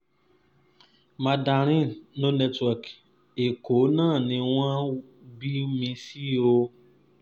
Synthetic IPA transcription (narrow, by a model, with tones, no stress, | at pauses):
mã˨da˨ɾ̃ĩ˦nõ˦nɛ˦twɔ˨k | e˨ko˨˦nã˦˨nĩ˧w̃ã˦ | bi˦mĩ˧˦si˦o˦